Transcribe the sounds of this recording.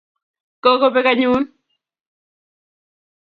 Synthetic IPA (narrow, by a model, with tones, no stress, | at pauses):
kɔ˦ko˦pe˦ka˦ɲuː˦n